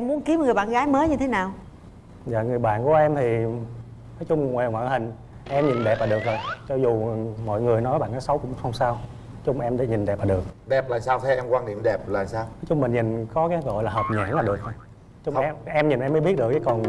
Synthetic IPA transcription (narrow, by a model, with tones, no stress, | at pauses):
ɛ˧mu˦ənki˨˦əmŋɨ˨˩əjɓa̰ː˧˨nɣaː˨˦jməː˨˦jɲɨ˧t̪ʰe˨˦naː˨˩w | za̰ː˧˨ŋɨ˨˩əjɓa̰ː˧˨nku˧˩əʔɛ˧mt̪ʰi˨˩ | nɔ˨˦jt͡ɕʊ˧ŋ͡mŋwɛː˨˩ŋwa̰ː˧˨nhï˨˩ŋ̟ | ʔɛ˧mɲi˨˩nɗɛ˨˩p̚laː˨˩ɗɨ˨˩ək̚zo˨˩jt͡ɕɔ˧zu˨˩mɔ̰˧˨jŋɨ˨˩əjnɔ˨˦jɓa̰ː˧˨nɔ˨˦sə˨˦wkʊ̰˧˥ŋ͡msə˧wŋ͡msaː˧w | t͡ɕʊ˧ŋ͡mʔɛ˧mɗa̰˧˩˦ɲi˨˩nɗɛ˨˩p̚laː˨˩ɗɨ˨˩ək̚ɗɛ˨˩p̚laː˨˩saː˧wt̪ʰɛ˧˦ʔɛ˧mkwaː˧nɗḭ˧˨əmɗɛ˨˩p̚laː˨˩saː˧wnnɔ˨˦jt͡ɕʊ˧ŋ͡mmï˨˩ŋ̟ɲï˨˩nkɔ˨˦kaː˨˦ɣɔ̰˧˨jlaː˨˩ɦəː˨˩p̚ɲa̰ː˧˩˥nlaː˨˩ɗɨ˨˩ək̚ː | t͡ɕʊ˧ŋ͡mɛ˧ʔɛ˧mɲi˨˩nʔɛ˧məː˨˦ɓi˦˥ət̚ɗɨ˨˩əkt͡ɕə˨˦kɔ˨˩n